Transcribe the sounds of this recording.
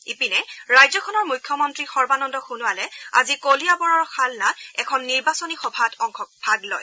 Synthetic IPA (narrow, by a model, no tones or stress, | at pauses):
ipinɛɹajzɔkʰɔnɔɹmujkʰːjɔmɔntɹixɔɹbanɔndɔxunʊalɛa̰zikolijabɔɹɔɹxʰalnaɛkʰɔnːiɹbasonixɔbʱatʰɔŋxɔk̚b̥ʱaɡlɔ̰j